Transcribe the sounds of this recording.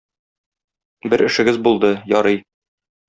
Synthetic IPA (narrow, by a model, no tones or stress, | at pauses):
bɘɾɘ̆ʃɘ̆ɡɘzbulˠd̪ɤjɒɾɤj